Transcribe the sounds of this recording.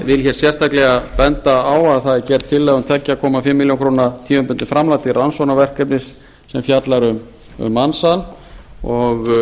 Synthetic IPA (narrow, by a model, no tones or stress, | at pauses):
vɪlçɛɾ̥sjɛr̥st̪aklɛɣapɛnt̪aawaðθaðɛcɛɾt̪t̪ʰːɪlːɛɣʏmt̪ʰɛcːɪakʰɔːmafɪmːiljoŋkʰɾoːnat̪ʰiːvʏmpʏnt̪ɪfɾamlaːjt̪ɪransɔnavɛr̥kɛpnɪsː | ɛmfjat̪laɾʏm | ʏ̰mːansanɔɣ